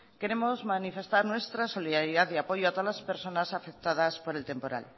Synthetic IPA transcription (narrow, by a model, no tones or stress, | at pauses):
ke̞ɾe̞mo̞zmanife̞st̪aɾnwe̞st̪ɾaso̞liðaɾjiðaθiapo̞ʝoat̪laspe̞ɾso̞nasafek̚t̪aðaspo̞ɾe̞lt̪e̞mpo̞ɾa̰l